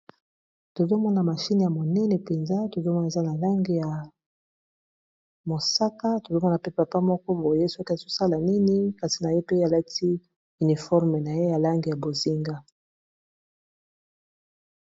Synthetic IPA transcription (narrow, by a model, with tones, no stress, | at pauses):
to˨zo˦mɔ˦na˨ma˨ʃi˦ni˨ja˨mo˨nɛ˦nɛ˨pe˨nza˦to˨zo˦mɔ˦na˨za˦na˨la˦ŋɡi˨ja˨ | mo˨sa˦ka˦to˨zo˦mɔ˦na˨pe˦pa˨pa˦mɔ˦kɔ˦bo˨je˦sɔ˦ki˦a˨z̥o˦sa˦la˨ni˦ni˦ka˨si˨na˨je˦pe˦a˨la˦tʰi˦ | y˨ni˨fɔ˦ʁme˨na˨je˦ja˨la˦ŋɡi˨ja˨bo˨zi˦ŋɡa˦